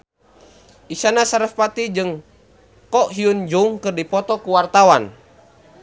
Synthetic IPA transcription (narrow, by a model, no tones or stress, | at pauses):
ʔisanasaɾəfpat̪id͡ʒɨŋ | kɔʔɦiund͡ʒuŋkɨrdipɔt̪ɔkuwart̪awan